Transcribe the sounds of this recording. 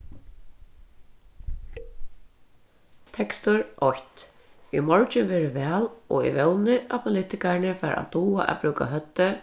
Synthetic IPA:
t̪ʰɛkst̪ʊɾʔɔht̪ | imɔɹt͡ʃɪʋɛːɾɪʋɛːlɔḭʋɛwnɪʔapʰʊlɪt̪ɪkaɹɪnɪfɛːɾʔa̰t̪uːaʔa̰bɾʉːka̰ɦœt̪ːʏ

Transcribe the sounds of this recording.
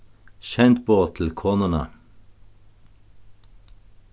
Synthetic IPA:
ʃɛnt̪boːt̪ʰl̩kʰoːnənɑ̰

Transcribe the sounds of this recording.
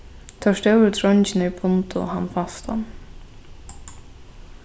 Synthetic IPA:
t̪ʰœʂt̪œwɪɾt̪ʰɾɔnt͡ʃɪnɪpʰʊnt̪ʊ̰hanːfast̪a̰n

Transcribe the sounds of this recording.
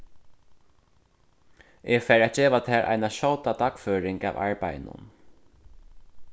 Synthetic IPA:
ɛɡfæːɹæːt̪̚d͡ʒeːʋat̪ʰæːɾʔa̰jnaʃɔwt̪at̪ʰakføːɾɪŋka̰ːʋa̰ɹpa̰jnʊ̰n

